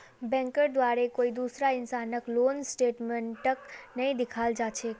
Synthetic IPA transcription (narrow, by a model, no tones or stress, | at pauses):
bɛ̃ŋkəɾd̪ʋaɾekoid̪usɾaɪnsanəklonsʈeʈməɳʈəknəɦĩd̪ɪkʰald͡ʒat͡ʃʰe